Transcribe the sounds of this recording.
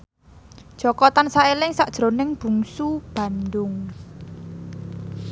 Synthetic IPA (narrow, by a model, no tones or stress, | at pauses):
d̥ʒ̥ɔkɔt̪ansaelɪŋsaʔd̥ʒ̥ɾo̤nɪŋb̥ṳŋsub̥ä̤nd̪ʊŋ